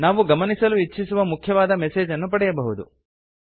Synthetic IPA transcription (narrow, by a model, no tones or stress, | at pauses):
naːʋuɡɐmɐnisɐluiːisuʋɐmukʰjɐʋaːd̪ɐmɛseːd͡ʒɐnːupɐɽɛjɐbɐɦud̪u